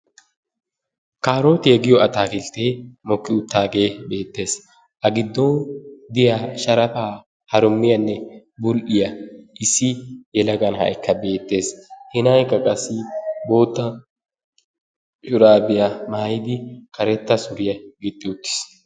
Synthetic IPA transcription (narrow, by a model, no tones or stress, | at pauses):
kaːɾoːt̪ɪjɛɡɪjɔɐt̪aːkɪlt̪eːmɔkːɪʊt̪ːaːɡe̞ːbe̞ːt̪ːe̞ːs | ʔɐɡɪd̪ːɔd̪ɪjaʃɐɾɐfaː | hɐɾʊmːɪjɐnːɛ | bʊlʔɪjɐɪsːɪjɛlɐɡɐnhɐ̰jɪkːɐbe̞ːt̪ːe̞ːshɪnɐjkːɐkʼɐsːɪbo̞ːt̪ːɐ | ʃʊɾaːbɪjɐmaːjɪd̪ɪkɐɾɛt̪ːɐsʊɾɪjɐɡɪt̪ʼːɪʊt̪ːɪ̥s